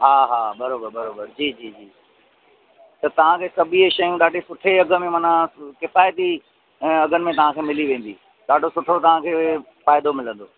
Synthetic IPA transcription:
ɦaːɦaːbɐɾoːbəɾbɐɾoːbəɾd͡ʑiːd͡ʑiːd͡ʑiː | t̪ɐt̪ɐʋ̤ãkʰeːsɐbʱieʃɐjũɗaːɖʱesʊʈʰeɐɡʱə̆mẽmɐːnãkɪfaːjt̪i | ɐɡʱənɪmẽt̪ɐʋ̤ãkʰeːmɪliʋẽːn̆d̪ḭ | ɗaːɖʱosʊʈʰot̪ɐʋ̤ãkʰeː | faːɪd̪omɪlə̃nd̪oː

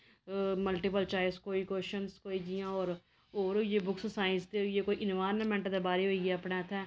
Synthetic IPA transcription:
məlʈipəlt͡ʃaːɪskoːiːkoːʃənskoːiːd͡ʒijãːɔːɾ | oːɾjeːbʊkʰssaːɪ̃nsd̪ejeːkoːiːʔɪnʋaːɾnəmɛ̃ɳʈd̪ebaːɾeːɦoːiɡɛːəpɳaːt̪ʰɛː

